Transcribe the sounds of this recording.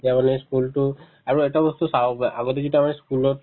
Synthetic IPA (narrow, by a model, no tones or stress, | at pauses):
amanɛskultʊ | aɹuɛtabɔstusawpʔaɡotɛzituamanɛskulɔt